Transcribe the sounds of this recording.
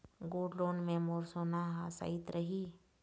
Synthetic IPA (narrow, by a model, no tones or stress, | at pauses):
ɡoːɖloːnmẽmoːɾsoːnaɦasa̰ːɪt̪ɾəɦiː